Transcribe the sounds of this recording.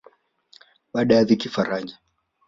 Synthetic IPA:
ɓaɗajaðikifaɾaɲa

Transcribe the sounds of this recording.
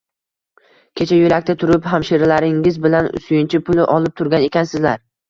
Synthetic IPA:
kʲʰe̞t͡ʃʰajʊlak̚ʲt̪at̪ʰʊɾɪphamʃeɾlaɾɪŋɪzbɪlansʊjɪnt͡ʃʰɪpʰʊlˠɪʔɒlˠɪp̚t̪ʰʊɾɡʲane̞kʲʰansɪzlaɾ

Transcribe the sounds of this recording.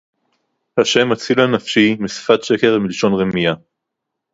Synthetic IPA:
haʃe̞mat͡silanafʃimisfat̪ʃeke̞ʁmiliʃo̞nʁemija

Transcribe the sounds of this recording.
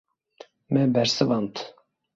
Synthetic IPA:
mɛbɛɾsɨvɑnt̪

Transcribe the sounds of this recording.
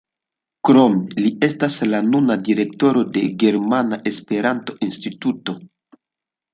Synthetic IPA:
kɾo̞melie̞staslanunadiɾe̞k̚to̞ɾo̞de̞ɡe̞ɾmanaʔe̞spe̞ɾanto̞ʔinstituto̞

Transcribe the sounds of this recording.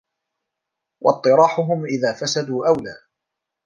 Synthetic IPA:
wʔɑ̰t̪ˤːɨɾˤɑːħʊɦʊmʔɪðaːfasad̪uːʔawlaː

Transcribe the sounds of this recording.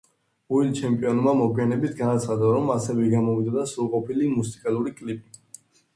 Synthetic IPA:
uilt͡ʃʰɛmpʼiɔnmamɔkʰijanɛbit̪ʰɡanat̪sʰχad̪aɾɔmasɛvɛɡamɔvid̪d̪asuɾqʼɔpʰilimusi̥kʼalˠuɾikʼlipʼi

